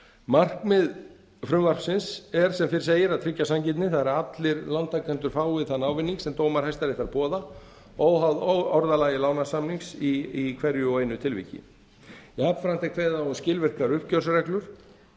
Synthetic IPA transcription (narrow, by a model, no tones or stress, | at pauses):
mar̥kmɪð | fɾʏmvar̥psɪnsɛɾ̥sɛmfɪɾɪ̥seːjɪɾaðt̪ʰɾɪcːasamcɪt̪̬nɪθaðɾat̪lɪɾlant̪akɛnt̪ʏɾ̥faːwvɪðθanːawvɪnːiŋksɛmt̪oːwmaɾ̥hɛjst̪aɾɪθaɾpɔːða | oːwɦawðɔɾðalaːjɪlaːwnasamniŋsiikʰvɛɾjʏɔɣeːjnʏt̪ʰɪlvḭcɪ̰ | ɛaːpfɾant̪ɛkʰveːðanscɪlvɪr̥kaɾʏhpcœ̥srɛklʏɾ̥